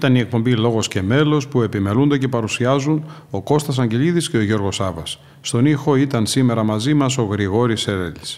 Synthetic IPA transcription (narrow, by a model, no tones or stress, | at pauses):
it̪ɐnie̞k̚po̞mbilo̞ɣo̞sce̞me̞lo̞spue̞pime̞lund̪ece̞pɐɾusiɐzuno̞ko̞st̪ɐs̬ɐɲɟe̞liðisce̞o̞ʝo̞ɾɣo̞sɐvɐsː | t̪o̞nixo̞it̪ɐnsime̞ɾɐmɐzimɐso̞ɣɾiɣo̞ɾiseɾeli̥s